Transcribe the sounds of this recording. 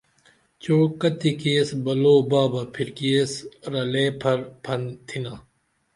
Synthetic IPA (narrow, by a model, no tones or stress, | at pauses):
t͡ɕoːkɐt̪ikeːsbɐloːbaːbɐpʰiɾkiːsɾɐleːpʰɐɾpʰɐnt̪ʰinaː